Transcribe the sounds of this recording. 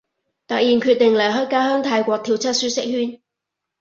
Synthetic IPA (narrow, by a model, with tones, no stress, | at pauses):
t̪ɐ˨˩jiː˨nkʰy˧t̚t̪ɪ˨ŋlɐ˨˩jɦɔː˥jkaː˥hœː˥ŋt̪ʰaː˧jkʷɔː˧k̚t̪ʰiː˧˩wt͡sʰɐ˥t̚syː˥sɪ˥k̚hyː˥n